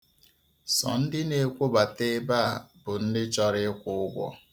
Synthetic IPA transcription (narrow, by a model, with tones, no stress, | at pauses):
sɔ̰˨n̩˦dɪ˦ne˨kʷo˦ba˨te˦ba˦a˨bʊ˨n̩˦dɪ˦t͡ʃɔ˦ɾɪ˦kʷʊ˨˦ʊ˦ɡʷɔ̰˦